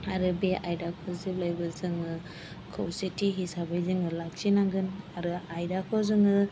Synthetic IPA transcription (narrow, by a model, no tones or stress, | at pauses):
aɾɯbeʔajdakʰɔzib̚lajbɯzɯŋɯ | kʰɯwsitiɦisabajzɯŋɯlak̚sinaŋɡɯnaɾɯajdakʰɔzɯŋɯ